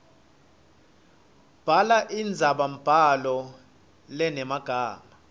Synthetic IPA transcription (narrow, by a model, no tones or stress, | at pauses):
b̥ʱalaʔind͡zʱaɓam̩b̥ʱalɔ | lɛnɛmaɡ̥ʱaːma